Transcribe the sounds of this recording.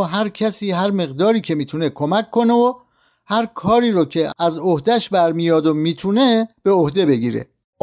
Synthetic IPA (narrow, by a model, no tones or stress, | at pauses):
ɦæɾcʰæsiːɦæɾme̞ɣd̪ɒːɾiːcʰe̞miːt̪ʰune̞kʰomækʰːo̞neo | hæɾkʰɒːɾiːɾocʰeæzohd̪æʃbæɾmijɒːd̪omiːt̪ʰuːne̞b̥e̞ohd̪e̞be̞ɟiːɾḛ